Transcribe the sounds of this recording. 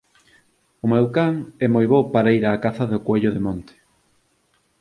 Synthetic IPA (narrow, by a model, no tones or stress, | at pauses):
ʊmɛwkaŋɛmojβopaɾaiɾaːkaθaðʊkweʎʊðemõnt̪e̥